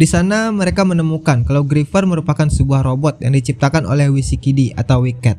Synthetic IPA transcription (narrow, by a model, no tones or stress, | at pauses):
disanaməɾekamənəmukankalawɡɾifərməɾupakansəbuahɾobɔt̪̚jaŋdit͡ʃip̚t̪akano̰lɛhwisikidiʔa̰t̪awwikɛt̪̚